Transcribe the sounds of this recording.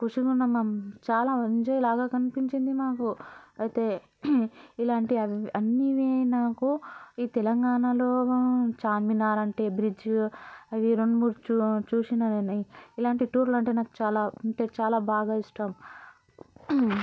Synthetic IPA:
kuʂiɡunːɐmɐmt͡ʃaːlaːɐɲt͡ʃeːjlaːɡaːkɐnipiɲt͡ʃind̪imaːkuɐjt̪e̞ː | ilaːɳʈiɐʋɐnːiʋinaːkuiːt̪ɛlɐŋɡaːnɐloːt͡ʃaːmminaːɾɐɳʈe̞ːbɾid͡ʒ | ɐʋiɾoɳmuːɾt͡ʃut͡ʃuːsinɐneniilaːɳʈiʈuːɾlɐɳʈe̞ːnaːku̥t͡ʃaːlaːɐɳʈe̞ːt͡ʃaːlaːbʱaːɡaːiʂʈɐm

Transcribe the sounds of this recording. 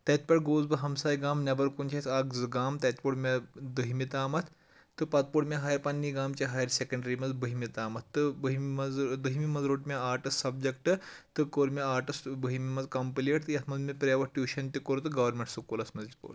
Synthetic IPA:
t̪et̪̚pʲɐʈɡoːzbɐɦɐmsaːjɡaːmnʲɐbɐɾkunt͡ɕʰesʰakd͡zɨɡaːmt̪et̪̚ʲpuɽmʲad̪əɦimit̪aːmɐt̪ | t̪ːɨpat̪̚puɽmʲaɦaːjɐɾpanːiɡaːmt͡ɕaɦajɐɾsekɐɳɖɾimɐd͡zbəɦimit̪aːmɐt̪t̪ːɨbəɦmmɐd͡zd̪əɦimimɐzɾoʈmʲaaːɾʈɐssɐb̚d͡ʑekʈɨt̪ɨkoɾmʲaaːɾʈɐsbəɦimimɐd͡zkɐmpileʈt̪ɨjɐt̪ʰmɐd͡zmʲɐpɾeʋɐʈjuɕɐnt̪ikoɾt̪ɨɡɐʋɐɾmʲẽɳʈsukolɐsmɐd͡zipo̰ɽ

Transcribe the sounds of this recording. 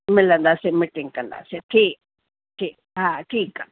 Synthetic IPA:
mɛlːɐnd̪aːsemiʈːiŋɡkɐnd̪a̰seʈʰiː | ʈʰiː | ɦãʈʰiːk

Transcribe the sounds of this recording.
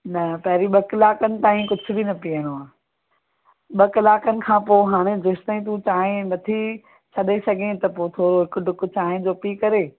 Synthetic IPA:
nɐpɐɦɪɾiɓɐklaːkənɪ̆t̪aːɦĩkʊd͡ʑʱʊ̆binɐpijə̃ɽoaː | ɓɐkɪlaːkənɪ̆kʰãːpoːɦaːɽ̃ẽzʊʃt̪əĩt̪̬ũt͡ɕaːɦẽnɐt̪ʰi | t͡ɕʰɐɗesɐɡʱẽt̪ɐpoːt̪ʰoːɾoɦɪkʊɖʊk̆t͡ɕaːɦẽd͡ʑoːpikɐɾeː

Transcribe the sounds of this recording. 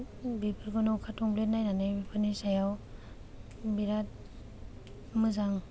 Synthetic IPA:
bipʰɯɾɡɔnɔwkʰatɔŋplet̚najnanɯjbipʰɯɾnisajaw | biɾat̚ | mɯzaŋ

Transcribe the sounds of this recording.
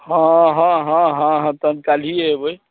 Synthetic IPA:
hãɦãɦãɦãɦãt̪ənt̪̚kal̤ieɦebəj

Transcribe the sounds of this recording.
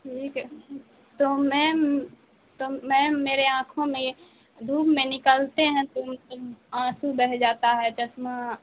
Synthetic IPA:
ʈʰiːkɦ | t̪omɛ̃ | t̪omɛ̃meːɾeãːkʰõmẽ | d̪uːbmẽnɪkəlt̪eɦɛ̃t̪ʊmt̪ʊmãːsubɛɦd͡ʒaːt̪aɦɛd͡ʒəsma

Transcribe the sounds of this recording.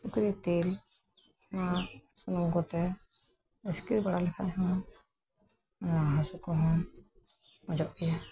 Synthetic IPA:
sukɾit̪el | masunɔɡɔt̪ɛ | ɛskiɾbaɽalɛkʰaɦɔ̃ | naɦasukɔɦɔ̃ | mɔd͡ʒɔʔɡija

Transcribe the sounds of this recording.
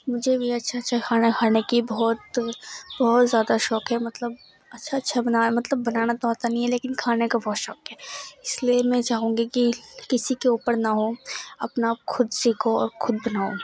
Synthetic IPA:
mʊd͡ʒʱebʱiɐtːʃʰatːʃʰakʰaːnakʰaːnekibɔɦːt̪bɔɦɔt̪zjaːd̪aʃɔːkɦɛmɐt̪ləb̚ | ɐtːʃʰaɐtːʃʰabɐnaːmɐt̪ləbːɐnaːnat̪oaːt̪anɐɦĩɦɛleːkɪnkʰaːnekabɔɦt̪ʃɔːkɦɛːɪsliemɛ̃t͡ʃaːɦũːŋɡikikɪsikeuːpəɾnaɦoɐpnaxʰʊd̪siːkʰoɔ̰ːɾxʰʊd̪̚bɐnaːõ

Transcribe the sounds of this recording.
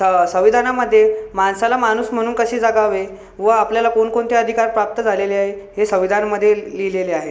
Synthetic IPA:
əsə̃ʋid̪ʱanaməd̪ʱːjemansalamañuːsm̤əɽ̃uːnkəɕiːd͡zaɡaʋe | ʋəapljalakonkoɳt̪eəd̪ʱikaɾpɾap̚t̪əd͡zʱaleleaɦeɦesə̃ʋid̪ʱanməd̪ʱːjelileleaɦe

